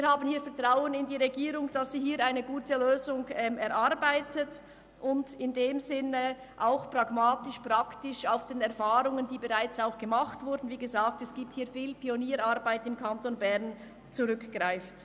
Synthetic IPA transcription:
viːɐhaːbənhiːɐfɛɐtʁ̥aʊənɪndiːʁeɡiːɾʊŋd̥asz̥iːhiːɾaɪnəɡuːtəløːzʊŋɛːmɛɾʔaɾbaɪtʰət | ʔʊndɪndeːmzɪnə | ʔaʊxpʁ̥aɡmaːtɪʃpʁ̥aktɪʃaʊfd̥eːnɛʁfaːʁʊŋəndiːbəʁaɪt͡saʊxɡ̥əmaχtv̥ʊɾdn̩viːɡəzaːk̚tɛsɡ̥iːp̚t̚hiːɐfiːlpʰioniːɾaɾbaɪtɪmkʰantonbɛʁn | t͡suʁʏkɡ̥ʁaɪft

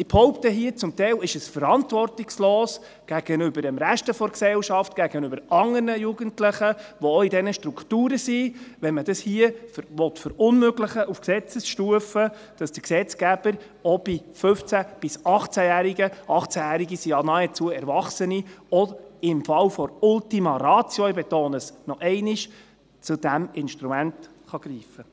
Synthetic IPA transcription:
ɪb̥hɔʊptəɦiət͡sʊmtɛjlɪʃəsfəɾɑntʋɔrtɪksloːs | ɡ̥æɡ̥ənʏbəɾəmɾæʃtəfɔɾksɛlʃɑftɡ̥æɡ̥ənʏbəɾɑŋːərnəjuɡəntlɪχəʋɔɔidɛnəʃtɾuktuːɾəsiʋɛnməd̥ɑshiəfɾʋɔtfɔɾʊnmøɡləχəʔufksɛt͡səsʃtuəfə | d̥ɑsd̥əksɛt͡skæb̥əɾ | ɔb̥ifɵft͡sæb̥ɪsɑχt͡sæjæːɾiɡəʔɑχt͡sæjæːɾiɡisiɑnɑɛt͡suəɛɾvɑχsəniɔɪmfɑlfɔɾʊltimɑɾɑːt͡sjɔibɛt̪oːnəsnɔʔɛɪnɪʃ | t͡sud̥æmɪnʃtɾumænt | χɑɡ̥ɾiːfə

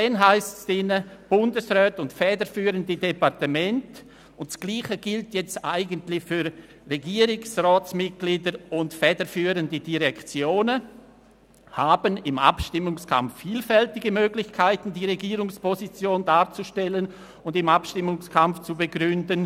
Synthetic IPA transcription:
d̥ɛnɦaɪstsd̥ɪnəb̥ʊndəsʁœːtʊntfɛːdəɾfyːɾəndədɛpaʁtəmɛnt | ʊntsɡ̥liːχəɡ̥ɪltjɛt͡staɪɡəntlɪçfyɾ | reɡiːɾɪŋsrɔːt͡smɪt̚ɡ̥liːdəɾʊntfɛːdəfyːɾəndədiʁɛkt͡sjoːnə | haːbənɪma̰pʃtɪmʊŋskʰa̰mfːiːlfɛltɪɡəmøːɡlɪçkʰaɪtn̩diːʁeɡiːɾʊŋspʰɔzit͡sjoːndaːɾt͡suʃtɛlən | ʊndɪmapʃtɪmʊŋskʰamft͡subəɡɾʏndən

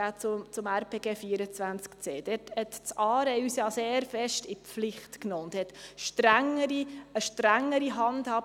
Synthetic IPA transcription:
æːt͡sʊt͡sʊmæɾpʰeːɡeːfiːəɾət͡sʋænt͡skt͡seːd̥ɛthɛtt͡sɑːɾeysjɑːseːɾfɛʃtɪpflɪχtknoːʊnthɛtʃtɾæŋːəɾiəʃtɾæŋːəɾiɦɑndhɑː

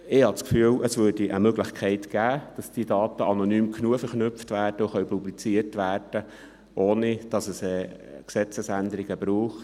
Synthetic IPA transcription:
ɪhɑt͡skfyːəlʔəsvødiʔəmøɡlɪχkʰɛɪtɡ̥æːd̥ɑsd̥iədɑːt̪əʔɑnonyːmknuəfɛɾχnʏpftʋæːrd̥əuχœɥpublit͡siəɾtʋæːrd̥ə | ʔoːnid̥ɑsəsɛksɛt͡səsænd̪əɾɪɡəbɾuːχ

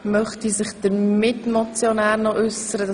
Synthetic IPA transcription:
mœχtisɪχd̥əɾmɪtmɔt͡sjonæːɾnɔʔʏsəɾəd

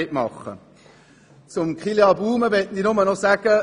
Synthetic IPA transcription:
ʔmɑ̰χːə̰ | t͡sʊmkχileɑbuːməʋɛtninʊmənɔsæɡ̥ə

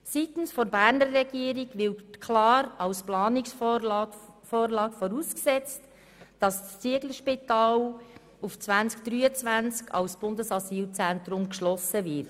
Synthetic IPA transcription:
sitn̩sfɔɾbæːɾnəɾːɛɡiəɾiɡvɪkʰlɑːɾɑwsplɑːnɪksf | foːrlɑːkfɔɾuːsksɛt͡st | d̥ɑsst͡siəɡləʃpitɑːl | uft͡svænskd̥ɾyːət͡svʋænt͡skʰɑ̰wsb̥ʊndəsɑsiːlt͡sænt̪ɾʊmkʃlɔsəvɪt

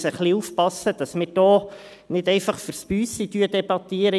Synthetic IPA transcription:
səχliufpɑsːəd̥ɑsmɪrd̥ɔː | nɪdɛɪfɑχfəɾspyːsidyədɛbɑt̪iəɾə

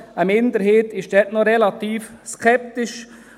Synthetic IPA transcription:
əmɪnd̪əɾheːtɪʃd̥ɛtnɔɾɛlɑt̪iːfskʰɛp̚t̪ɪʃ

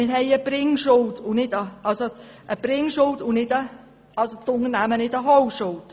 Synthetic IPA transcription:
ɪɾɦɛɪəb̥ɾɪŋʃʊltʊnɪdəɑlso | ʔəb̥ɾɪŋʃʊltʊnɪdə | ɑlsotʊnənæmənɪdəɦɔwʃʊlt

